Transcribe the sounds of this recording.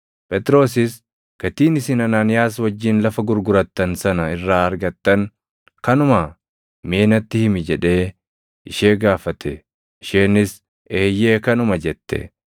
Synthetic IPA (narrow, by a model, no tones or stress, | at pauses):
pɛt̪ɪɾo̞ːs̬ɪs | ɡ̥ɐt̪iːnɪsɪnɐnaːnɪjaːswɐd͡ʒːiːnlɐfɐɡʊɾɡʊɾɐt̪ːɐnsɐnɐɪrːaːɐɾɡɐt̪ːɐŋ | kɐnʊmɐ | me̞ːnɐt̪ːɪhɪmɪd͡ʒɛᶑe̞ː | ɪʃeːɡaːfɐt̪ʰɛ | ʔɪʃeːnɪs | eːjːe̞ːkɐnʊmɐd͡ʒɛt̪ːɛ̰